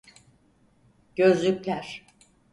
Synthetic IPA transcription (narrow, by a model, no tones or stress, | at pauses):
ɟ̥ø̞zlʲyclʲæɾ̥